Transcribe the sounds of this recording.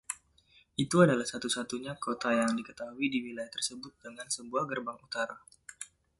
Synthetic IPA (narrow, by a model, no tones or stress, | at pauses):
ʔit̪uadalahsat̪usat̪uɲakot̪ajaŋdikət̪aɦuidiwilajaht̪ərsəbʊt̪̚dəŋansəbuahɡərbaŋut̪aɾa